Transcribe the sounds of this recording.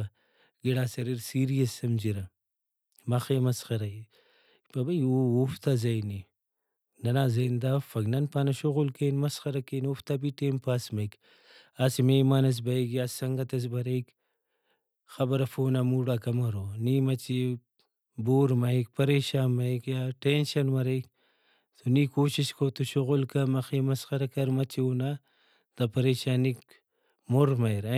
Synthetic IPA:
ɡiɽasɐɾiɾsiɾijɐsɐmd͡ʒiɾɐ | mɐxemɐsxɐɾai | pɐbɐiuuft̪azɐjni | nɐnazɐnd̪afɐɡnɐnpaːnɐʃuɣʊlkenmɐsxɐɾɐkenuft̪abiʈeːnpaːsmɐik | asimemaːnɐs̬bɐiɡiassɐŋɡɐt̪ɐs̬bɐɾɐik | xɐbɐɾɐfoːnaːmuːɽaːkɐmɐɾoniːmɐt͡ʃi | boːɾmɐik̚pɐɾeːʃaːnmɐikjaːʈenʃɐnmɐɾɐjk | t̪ʰuniːkoːʃiʃkɐwt̪uʃuɣʊlkɐmɐxiːmɐsxɐɾɐkɐɾmɐt͡ʃioːna | t̪ɐpɐɾeːʃaːnik | moɾmɐjɾɐ

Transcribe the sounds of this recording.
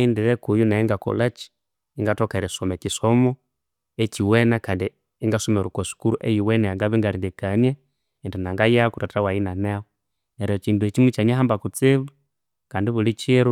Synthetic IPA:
indiɾekujunaiŋɡako̰lat͡ʃi̥ː | ŋɡatokaɾesomekisomo | eciwenakaːndi | iŋɡasomeɾukosu̥kuɾuʔejiwenejaŋɡaβiŋɡaliŋɡekanje | entinaŋɡajakuɾatawajinanewo | eɾiot͡ʃiːnduet͡ʃimwet͡ʃaɲaɦaːmbakut͡siβu | kaːndiβulit͡ʃiɾu

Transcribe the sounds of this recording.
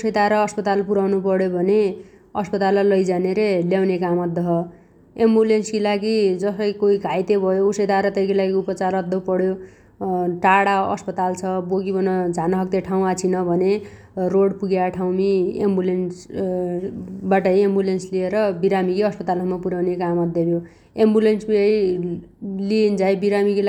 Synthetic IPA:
usʌjt̪aɾʌʌspʌt̪alpuɾawnupʌɽjobʱʌne | ʌspʌt̪alʌlʌjd͡zaneɾeljawnekamʌd̪ːʌɦʌ | embulenskilaɡid͡zʌsʌjkoiɡʱajt̪ebʱʌjousʌjt̪aɾʌt̪ʌjkilaɡiupʌt͡saɾʌd̪ʌpʌɽjo | ʈaɽaʌ̰spʌt̪alt͡sʰʌboɡibʱʌnʌd͡zʱanʌɦʌk̚t̪eʈʰaw̃at͡sʰinʌbʱʌne | roɽpuɡjaʈʰawmiḛmbulens | baʈʌjembulenslieɾʌbiɾamikiʌspʌt̪alʌmapuɾawnekamʌd̪ːʌbjo | embulensbiʌj | liend͡zajbiɾamikila

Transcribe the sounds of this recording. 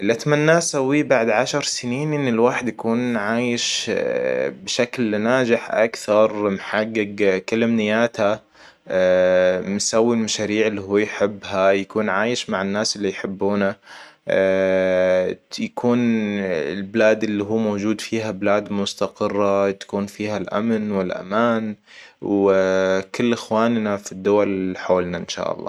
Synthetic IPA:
lʔat̪manːaːsawːibaʕd̪ʕaʃɑɾˤsɪniːnʔɪnːɪlwaːħɪd̪jakuːnʕaːjɪʃ | bʃaklnaːd͡ʒɪħʔa̰kθɑɾˤmħaɡːɪɡkalɪmnɪjaːt̪ha | mɪsawːilmaʃaːɾiːʕɪlːiɦuːjħɪbːhajakuːnʕaːjɪʃmaʕɪnːaːsɪlːijħɪbːuːna | jakʰuːnɪlbɪlaːd̪ɪlːiɦuːmowd͡ʒuːd̪fiːɦabɪlaːd̪mʊst̪aqɨrˤːat̪ḁkuːnfiːhalʔa̰mnwɪlʔa̰maːn | w | kɪlːʔɪxwaːnnafid̪ːʊwalħoːlnaʔɪnʃa̰ːʔɑ̰lˤːɑ̰ː

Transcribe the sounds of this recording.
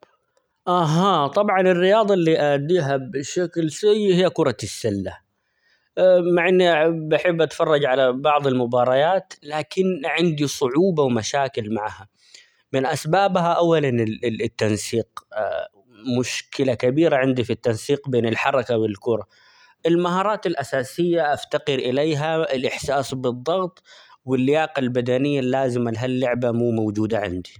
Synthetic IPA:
ʔaɦaːt̪ˤɑbʕɑnɪrːɪjɑːd̪ˤɑlːiːʔaʕd̪ːiːɦabɪʃaklsɪjːhɪjːakʊɾˤɑsːɪlːa | maʕɪnːiʔbaħɪbːʔat̪fɑrˤːɑd͡ʒʕalabɑʕd̪ˤɪlmʊbɑːɾˤɑjaːt̪laːkɪnʕɪnd̪isˤʊʕuːbawmaʃaːkɪlmaʕha | mɪnʔasbaːbɦaʔawːalant̪ːansiːq | mʊʃkɪlakabiːɾaʕɪnd̪ifit̪ːansiːqbeːnɪlħɑɾˤɑkawɪlkʊɾˤɑ | ʔɪlmaɦɑːɾˤɑːt̪ɪlʔasaːsɪjːaʔaft̪aqɪɾʔɪleːɦaɪlʔɪħsaːsbɨd̪ˤːɑɣt̪ˤwɪlːɪjɑːqalbad̪anɪjːalːaːzɪmalɦalːʊʕbamuːmawd͡ʒuːd̪aʕɪ̰nd̪i

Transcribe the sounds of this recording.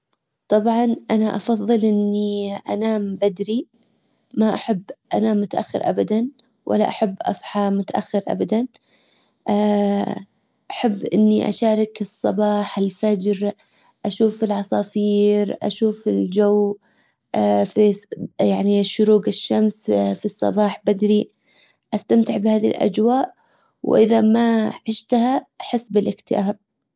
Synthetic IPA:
t̪ˤɑbʕɑnʔanaʔɑfɑðˤːɨlʔɪnːiʔa̰naːmbad̪ɾi | maʔaħabːʔa̰naːmːʊt̪aʔaxːɪ̰ɾʔa̰bad̪an | wʔa̰lːa̰ʔaħabːʔɑ̰sˤħɑmʊt̪aʔaxːɪɾʔa̰bad̪an | ʔa | ʔaħabːʔɪ̰nːiʔa̰ʃaːɾˤɑkɨsˤːɑbɑːħɪlfad͡ʒɾ | ʔaʃuːfɪlʕɑsˤɑːfiːɾʔa̰ʃuːfɪld͡ʒawː | fijaʕniʃːʊɾuːɡɪʃːamsfisˤːɑ̰bɑːħbad̪ɾi | ʔast̪amt̪ɪʕbɪhaːðḭlʔa̰d͡ʒwaːʔ | wʔɪðamaʕɪʃt̪haʔħɪsːbɪlʔɪkt̪ɪʔaːb̚

